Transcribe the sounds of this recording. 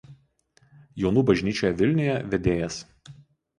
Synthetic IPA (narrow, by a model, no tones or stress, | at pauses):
jɛʊnuːbɐʒʲnʲiːt͡ʃʲoːjɛʋʲɪlʲnʲʊjɛʋʲɛd̪ʲeːjɛs